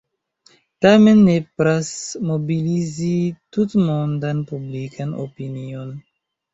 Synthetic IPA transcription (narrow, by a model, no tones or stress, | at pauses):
tamenːepɾasmobilizitut̪mondanpublikano̰pinion